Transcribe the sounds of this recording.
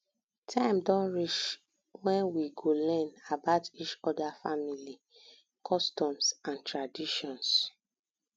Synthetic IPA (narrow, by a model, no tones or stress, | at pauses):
tʰãɪ̃mdɔ̃nɹit͡ʃ | wɛ̃nwiɡolɛ̃nabaʊtit͡ʃɔdafamili | kʰɔstɔ̃msãntʰɹadiʃɔ̃ns